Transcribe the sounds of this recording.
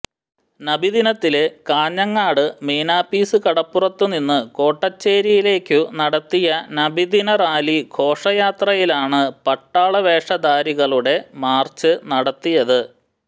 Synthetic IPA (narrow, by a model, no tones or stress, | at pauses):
nɐbid̪inɐt̪ːilekaːɲːɐŋːaːɽɨmeːnaːpiːsɨkɐɽɐpːurɐt̪ːuninːɨko̞ːʈːɐt͡ɕːe̞ːɾijile̞ːkʲːunɐɽɐt̪ːijɐnɐbʱid̪inɐraːlikʰo̞ːʂɐjaːt̪rɐjilaːɳɨpɐʈːaːɭɐʋe̞ːʂɐd̪aːɾiɣɐɭuɽe̞maːrt͡ɕːɨnɐɽɐt̪ːijɐðɨ